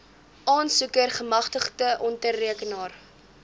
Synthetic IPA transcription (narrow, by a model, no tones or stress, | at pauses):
ʔɑːnsukərχəmɐχtəχtəʔɔntərːiəkənɑːr